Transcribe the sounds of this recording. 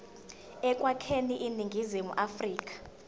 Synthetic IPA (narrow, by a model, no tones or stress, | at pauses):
ɛkʼwakʰeniʔiniŋɡʱizimṵʔafriːk̬ʼḁ